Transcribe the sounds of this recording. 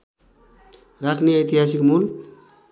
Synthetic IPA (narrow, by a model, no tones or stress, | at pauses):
ɾakniat̪iɦas̬ikmul